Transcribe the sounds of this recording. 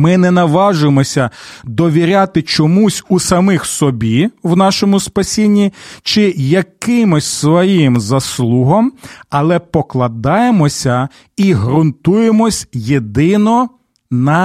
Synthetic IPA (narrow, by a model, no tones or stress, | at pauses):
mɪnɛnɐʋɑʒʊjemɔsʲɐd̪ɔʋʲiɾʲat̪ɪt͡ʃɔmusʲusɐmɪxsɔbʲiwnɑʃɔmʊspɐsʲinʲːit͡ʃɪjɐkɪmɔsʲsʋɔjimzɐslˠuɦɔmɐlˠɛpɔklˠɐd̪ɑjemɔsʲɐ | iɦɾʊnt̪ujemɔsʲjed̪ɪnɔ | nɐ